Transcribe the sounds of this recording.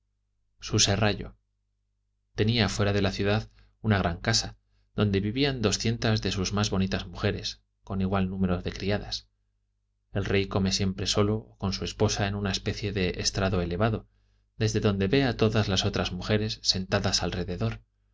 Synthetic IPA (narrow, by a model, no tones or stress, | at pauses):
suse̞raʝo̰ | t̪e̞niafwe̞ɾaðe̞laθjuðað | unaɣ̞ɾʔaŋkasa | ð̥o̞nd̪e̞βiβiand̪o̞sθje̞nt̪azðe̞suzmazβo̞nit̪azmuxe̞ɾe̞s | ko̞niɣwalnũme̞ɾo̞ðe̞kɾiaða̰s | e̞lrejko̞me̞sje̞mpɾe̞so̞lo̞ːko̞nsue̞spo̞sae̞nunaespe̞θje̞ðe̞ʔest̪ɾaðo̞e̞le̞βaðo̞ | ðe̞zðe̞ðo̞nd̪e̞βe̞at̪o̞ðazlaso̞t̪ɾazmuxe̞ɾe̞sːe̞nt̪aðasalre̞ðe̞ðo̞ɾ